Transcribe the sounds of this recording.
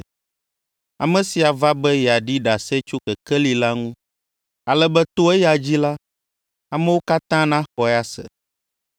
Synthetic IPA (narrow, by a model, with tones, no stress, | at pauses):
a̰˨mɛ̃˨si˨a˨va˦bɛ˦ja˨ɖi˦ɖa˨sɛ˦t͡ʃo˦kɛ˨kɛ˦li˨la˦ŋũ˦ | a˨lɛ˦bɛ˦t̪o˦ɛ˦ja˨d͡ʑi˦la˦ | a˨mɛ˦wo˦ka˦t̪ã˦nã˦xɔ˨ja˦sɛ̰˨